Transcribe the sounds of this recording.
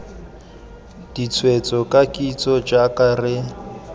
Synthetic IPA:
d̥it͡sʰwet͡sʼɔkʼakʼit͡sʼɔd͡ʒakʼarɪ

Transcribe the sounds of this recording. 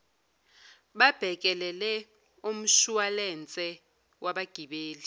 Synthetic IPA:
ɓab̥ʱɛk̬ʼɛlɛlɛ | um̩ʃualɛnt͡sʼɛ | wʔaɓaɡ̥ʱiɓeːli

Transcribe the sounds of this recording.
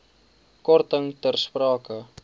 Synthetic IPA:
kɔrtəŋtərsprɑːkə

